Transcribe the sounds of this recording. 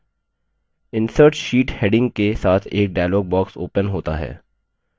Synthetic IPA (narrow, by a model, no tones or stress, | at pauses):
ɪ̃nsəɾʈʃiːʈheːɖɪ̃ŋɡ̚kesaːt̪ʰeːk̚ɖaːɪloːɡ̚bɔːksoːpənɦoːt̪a̰ɦɛ̰ː